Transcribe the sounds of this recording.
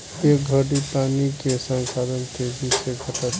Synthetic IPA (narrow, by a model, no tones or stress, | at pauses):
eɡʱəɽipanikesə̃ŋkaɾənt̪ed͡ʒisʰeɡʱəʈa